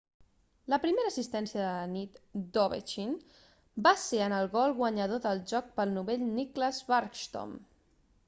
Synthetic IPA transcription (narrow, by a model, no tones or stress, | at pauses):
ləpɾimeɾəsist̪ɛnsiəðəənit̪d̪oβḛt͡ʃin | baseənəlˠɣɔlˠɣwəɲəðoðəlˠʒɔk̚pəlˠnuβeʎnikləzβaɾkʃt̪o̰m